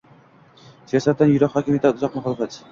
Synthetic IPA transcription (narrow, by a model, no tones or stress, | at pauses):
sijasat̪ːanjʊɾɑqhɒːkʲɪmjet̪ʰat̪ʊzɒqmaχɒlˠɨfat̪